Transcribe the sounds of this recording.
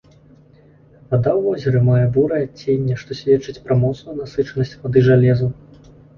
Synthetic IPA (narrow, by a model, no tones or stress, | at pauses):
vad̪awvɔzʲɐɾɨmajɛbuɾɐjat͡sʲenʲːɛʂt̪ɔsʲvʲɛt͡ʂɨt͡sʲpɾɐmɔt̪snujnasɨt͡ʂɐnɐsʲt͡sʲvad̪ɨʐalʲɛzu